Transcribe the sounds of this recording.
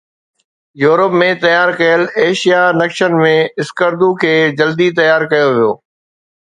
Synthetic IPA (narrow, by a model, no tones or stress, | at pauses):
juːɾəpmẽt̪ɐjaːɾkɐjəleːʃijanɐkʃənmẽɪskəɾd̪ukʰeːd͡ʑɐld̪it̪ɐjaːɾkɐjoʋijo̰ː